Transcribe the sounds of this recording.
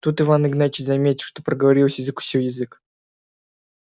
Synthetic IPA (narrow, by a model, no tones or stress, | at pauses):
t̪ut̪ɨvanɨɡnat͡ɕɪzɐmʲetʲɪlʂt̪opɾəɡəvɐɾʲilˠsʲjɪzɨkʊ̥sʲiljɪzɨk